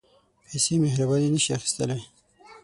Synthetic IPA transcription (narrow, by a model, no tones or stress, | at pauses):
pesemeɦɾabalenəʃiaxi̥st̪əle